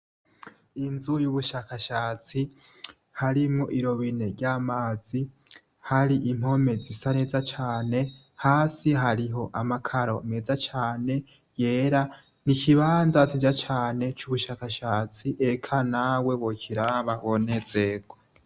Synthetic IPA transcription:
inzujuβuʃaːkaʃaːt͡si | haɾimŋoʔiɾo̞βine̞ɾɟaːmaːzi | haɾiʔim̥ho̞me̞zisaneːzat͡ʃaːne̞ | haːsiɦaɾiɦo̞ʔamakʰaɾo̞me̞ːzat͡ʃaːne̞ | je̞ːɾa | nikʰiβaːnzatid͡ʒat͡ʃaːne̞t͡ʃuβuʃaːkaʃaːt͡siʔe̞kʰanawe̞wokʰiɾaβaβonezeɡo

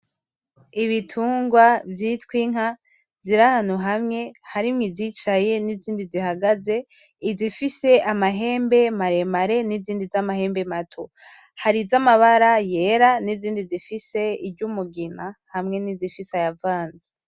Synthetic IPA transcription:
iβitʰuːŋɡwavjiːtwiŋ̥a | ziɾahanuɦamŋe̞haɾimŋiziːt͡ʃaje̞niziːndizihaɡaze̞ | izifise̞ʔamaɦe̞ːmbe̞maɾe̞maɾe̞niziːndizamahe̞ːmbe̞matʰo | haɾizamaβaɾaje̞ɾaniziːndizifise̞ibɟumuɡinahamŋe̞nizifisajavaːnze̥

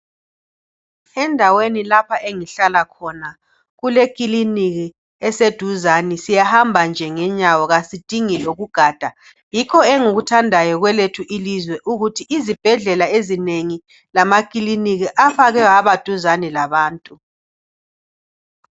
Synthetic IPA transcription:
ɛndʱawenilapʰaʔeŋiɬalakʰɔna | ɣulekʼiliniɣi | ɛsed̥ʱuzanisijahambʱand͡ʒʱɛŋɛɲawɔɣasid̥ʱiŋiloɣuɡ̥ʱaːd̥ʱa | jikʰɔɛŋuɣutʰandʱajɔɣwɛletʰuʔilizwɛʔuɣutʰiʔːzib̥ʱɛɮɛlaezineŋi | lamakʼiliniɣiʔafaɣɛaβad̥ʱuzanilaβaːntʼu

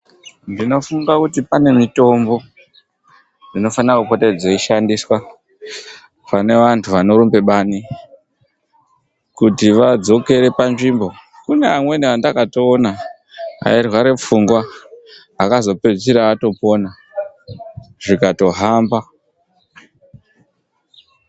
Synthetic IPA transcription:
ndino̞fuŋɡakutipane̞mito̞mbo̞ | nino̞fanirakupo̞ted͡zeiʃandiswa | pane̞ʋantʰuʋano̞ɾumbe̞ɓaːni | kutiʋad͡zo̞ke̞ɾe̞panʐimbo̞ | kuneamwe̞niʋandakato̞ːna | ɦa̰irwaɾe̞p͡fuŋɡwa | akazo̞peʐisiɾaato̞po̞na | ʐikato̞ɦamba

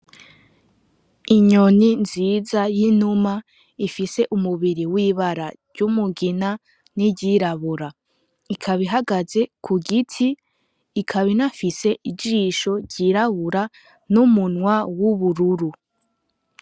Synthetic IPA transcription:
iɲoninziːzajinuma | ifise̞ʔumuβiɾiwiβaɾaɾɟumuɡina | niɟiɾaβuɾa | ikʰaβiɦaɡaze̞kʰuɡitʰiː | kʰaβinafise̞ʔid͡ʒiʃo̞ɾɟiɾaβuɾa | numunwawuβuɾuɾu

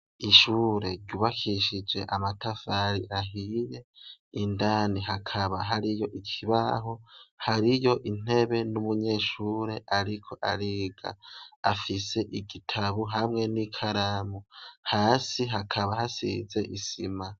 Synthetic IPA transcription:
iʃuːɾe̞ɾɟuβakʰiʃid͡ʒe̞̰ʔamatafaɾiʔaɦije̞indaːniɦakʰaβaɦaɾijo̞ʔikʰiβa̰ɦo̞haɾijo̞ʔin̥e̞βe̞numuɲe̞ːʃuːɾe̞ʔaɾikʰo̞ʔaɾiːɡa̰afise̞ʔiɡitʰaβuɦamŋe̞nikʰaɾamuhaːsiɦakʰaβahasḭze̞ʔisima

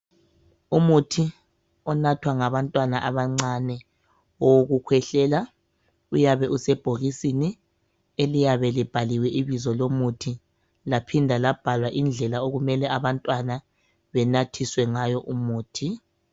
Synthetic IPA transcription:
umutʰi | ɔnatʰwaŋaβantʼwanaʔaβaŋ͡ǀanɛ | ɔoɣukʰwɛɬɛːla | ujaβɛʔusɛb̥ʱoɣisini | elijaβɛlib̥ʱaliwɛʔiβizɔlomutʰi | lapʰindʱalab̥ʱalwaʔind͡ɮʱɛlaoɣumɛlɛaβantʼwana | βɛnatʰiswɛŋajɔʔumuːtʰi

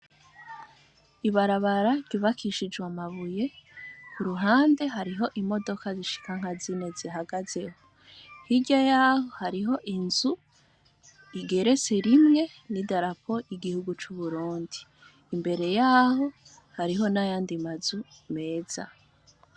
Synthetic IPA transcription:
iβaɾaβaɾaɾɟuβakʰiʃid͡ʒɡwamaβuje̞kuɾuɦaːnde̞ɦaɾiɦo̞ʔimo̞do̞kaziʃi̥kaŋ̥hazineziɦaɡaze̞ho | hiɟajaːho̞haɾiɦo̞ʔinzu | iɡe̞ɾe̞t͡se̞ɾimŋe̞ | nidaɾapʰo̞iɡihuɡut͡ʃuβuɾuːndiː | mbe̞ɾe̞jaːho̞ | haɾiɦo̞najaːndimazume̞ːz̥a̰

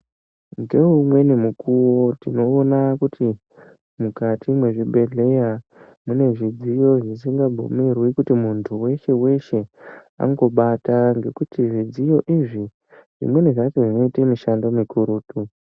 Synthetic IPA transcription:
ŋɡe̞umwe̞nemukuwo̞tino̞ːnakuti | mukatʰimwe̞ʐibʱe̞ɮe̞ja | mune̞ʐid͡zijo̞ʐisiŋɡabʱṵmirwikutimuntʰuwe̞ʃe̞we̞ʃe̞ | a̰ŋɡo̞ɓataŋɡe̞kutiʐid͡zijo̞ʔiʐi | ʐ̥ḭmwe̞neʐakeʐino̞itemiʃando̞mikuɾuːtu

